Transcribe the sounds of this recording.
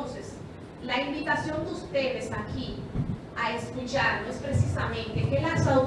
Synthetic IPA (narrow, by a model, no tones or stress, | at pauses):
nses | laimbit̪asjo̞nd̪eust̪e̞ðe̞saki | aesk̪ut͡ʃaɾnoespɾesisamẽnt̪ekelasaw